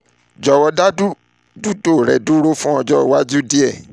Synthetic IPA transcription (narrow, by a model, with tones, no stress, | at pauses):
d͡ʒɔ˧wɔ˧da˦du˦ | du˦to˦˨ɾɛ˨du˦ɾo˦fũ˦ɔ˧d͡ʒɔ˦˨wa˦d͡ʒu˦di˦ɛ˦˨